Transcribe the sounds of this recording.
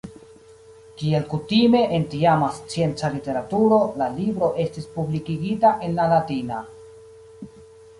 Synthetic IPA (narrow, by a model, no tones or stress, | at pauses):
kie̞lkutime̞ʔentiamast͡sije̞nt͡salite̞ɾatuɾo̞lalibɾo̞ʔe̞stispublikiɡitaʔe̞nlalatina